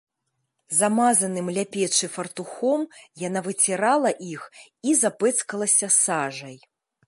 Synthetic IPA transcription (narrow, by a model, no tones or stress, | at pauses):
zamazɐnɨmlʲapʲɛt͡ʂɨfɐrt̪uxɔmjanavɨt͡sʲɛɾalˠɐʔix | izapɛt̪skɐlˠɐsʲɐsaʐɐj